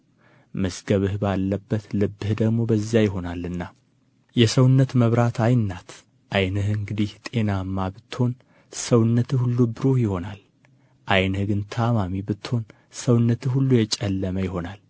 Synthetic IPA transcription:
məsɡəβɨhbalːəbːət̪lɨbːɨhd̪əɡmo̞bəzjajɪɦo̞nalːɨnːa | jɛsəwnːət̪məβɾat̪ʰajnːat̪ | ʔajnəhɨŋɡɨd̪iht̪ʼe̞namːabɨt̪ːɨ̥ho̞n | səwnːət̪ɨhulːubɨɾojɪho̞nal | ʔajnəhɡɨnt̪ʰamamibɨt̪ːho̞n | səwnːət̪ʰɨhulːujɛt͡ʃʼɛlːəməjɪɦo̞nal

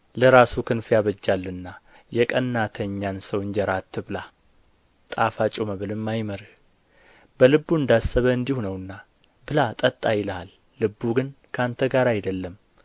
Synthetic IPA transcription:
ləɾasukʰɨnfjaβəd͡ʒːalːɨnːa | jɛkʼənːat̪ʰəɲːansəwɨɲd͡ʒɛɾat̪ʰːɨβɨla | t̪ʼafat͡ʃʼoməβɨlɨmːajməɾ | b̥əlɨbːuɨnd̪asːəβəɨnd̪ihunəwɨnːa | bɨlat̪ʼət̪ʼːajɪlalː | ɨbːuɡɨnkʰant̪ʰəɡaɾajd̪əlːəm

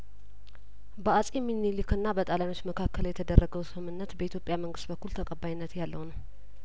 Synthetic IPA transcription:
bəasʼiminilikɨnːabət̪ʼaljano̞t͡ʃːməkʰakːəljɛt̪ʰəd̪ərːəɡəwsɨmɨmɨnːət̪bəit̪ʰjo̞pʼjaməŋɡɨst̪bəkʰːult̪ʰəkʼəbajinːət̪jalːəwnəw

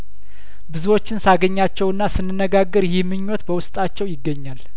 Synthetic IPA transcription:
bɨzuwo̞t͡ʃːɪnsaɡəɲːat͡ʃːɛwɨnːasɨnːɨnːəɡaɡːəɾjɪmːɨɲːɔt̪bəwʊst̪ʼat͡ʃːɛwjɪɡːəɲːal

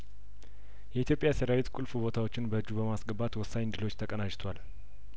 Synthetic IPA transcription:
jɛit̪ʰjopʼːjaseɾawet̪kʼulfubo̞t̪ʰawo̞t͡ʃːɪnbəɨd͡ʒːubəmasɡəbat̪wɔsːaɲnd̪ɨlo̞t͡ʃːt̪ʰəkʼənat͡ʃt̪ʰwal

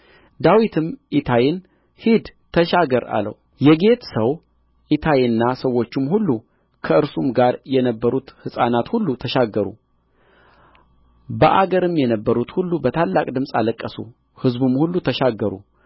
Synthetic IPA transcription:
d̪awit̪ʰɨmʔit̪ʰajɪn | hid̪t̪ʰəʃaɡəɾa̰lə̰w | jɛɡe̞t̪səw | ʔit̪ʰajɪnːasəwːo̞t͡ʃːumhulːu | kʰəɨɾsumɡaɾjɛnəbːəɾut̪hɨsʼanat̪hulːut̪ʰəʃaɡːəɾṵ | bəʔaɡəɾɨmjɛnəbːəɾut̪hulːubət̪ʰalːakʼd̪ɨmsʼa̰ləkʼːəsṵ | hɨzbumhulːut̪ʰəʃaɡːəɾṵ

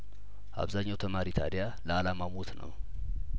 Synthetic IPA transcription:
ʔa̰βzaɲːawt̪ʰəmaɾit̪ʰa̰d̪ija | ləalamamot̪nə̰w

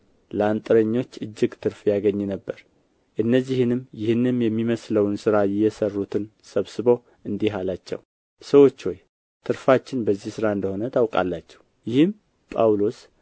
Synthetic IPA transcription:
ləant̪ʼɨɾəɲːo̞t͡ʃːɨd͡ʒːɪɡt̪ʰɨɾfjaɡəɲːinəbːəɾ | ʔɨnːəzːihɨnɨmjɪhɨnːɨmjɛmːiməsləwnsɨɾajɪjːɛsərːut̪ʰɨnsəβsɨβow | ʔɨnd̪iɦalat͡ʃːɛ̰w | səwo̞t͡ʃːwoj | t̪ʰɨɾfat͡ʃːɪnbəzːihsɨɾaɨnd̪əho̞nət̪ʰawkʼa̰lːat͡ʃːɛ̥w | jɪhɨm | pʼawlo̞s

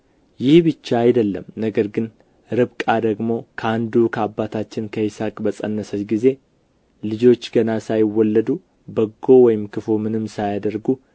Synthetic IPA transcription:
jɪhbɨt͡ʃːaːjd̪əlːəmnəɡəɾɡɨn | ɾɨβkʼad̪əɡmo̞kʰəand̪ukʰəabːat̪ʰat͡ʃːɪnkʰəɪsakʼbəsʼənːəsət͡ʃɡize̞ | lɨd͡ʒo̞t͡ʃːɡənasajɪwːɔlːəd̪u | bəɡːo̞wɔjɪmkʰɨfomɨnɨmsajad̪əɾɡu

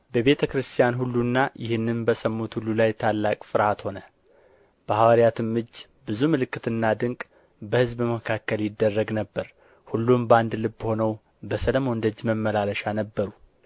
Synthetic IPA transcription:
bəβe̞t̪ʰəkɾɨst̪ʰijanhulːunːajʔɪhɨnːɨnbəsəmːut̪hulːulajt̪ʰalːakʼfɨɾhat̪ho̞nə | b̥əhawaɾijat̪ʰɨmːɨd͡ʒː | bɨzumɨlɨkːɨt̪ɨnːad̪ɨŋkʼ | bəhɨzbməkʰakːəljɪd̪ːərːəɡnəbːəɾ | hulːumband̪lɨbːho̞nəw | bəsələmo̞nd̪əd͡ʒːməmːəlaləʃanəbːəɾu

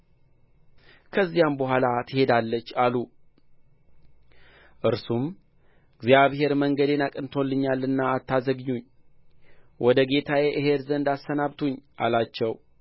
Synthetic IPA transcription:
kʰəzːijambəɦʷalat̪ʰɨhe̞d̪alːət͡ʃːalu | ʔɨɾsum | ɨɡzjaβɦe̞ɾməŋɡəd̪e̞nakʼɨnt̪ʰo̞lːɨɲːalːɨnːaːt̪ːazəɡɲːuɲː | wʔɔd̪əɡe̞t̪ʰajeʔɨɦeɾzənd̪asənaβt̪ʰuɲːʔa̰lat͡ʃːɛw

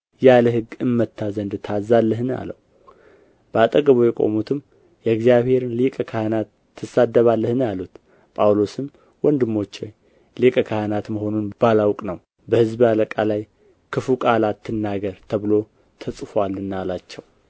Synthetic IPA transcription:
jaləɦɨɡɨmːət̪ʰːazənd̪t̪ʰazalːəɦɨna̰ləw | b̥əat̪ʼəɡəβujɛkʼo̞̰mut̪ʰɨm | jɛɨɡzijaβhe̞ɾɨnlikʼəkʰahənat̪ːɨsad̪ːəβalːəhɨnjalut̪ | pʼawlo̞sɨm | wɔnd̪ɨmːo̞t͡ʃːoj | likʼəkʰahənat̪məɦo̞nunb̥alawkʼnəw | bəhɨzbaləkʼalaj | kʰɨfukʼalat̪ʰːɨnːaɡəɾt̪ʰəβɨlo̞ | t̪ʰəsʼfalːɨnːalat͡ʃːɛw

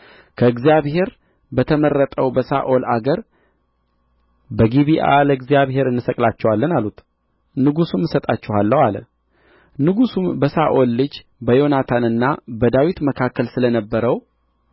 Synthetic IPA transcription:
kʰəɨɡzijaβhe̞ɾ | bət̪ʰəmərːət̪ʼəwbəsa̰ʔo̞la̰ɡəɾ | bəɡiβiʔa̰ləɡzijaβɦe̞ɾɨnːɨsəkʼlat͡ʃːɛwalːənalut̪ | nɨɡusumːɨsət̪ʼat͡ʃːɛhalːəwalə̰ | nɨɡusumbəsaʔo̞lːɨd͡ʒ | bəjonat̪ʰanɨnːabəd̪awit̪məkʰakʰːəlsɨlənəbːəɾəw

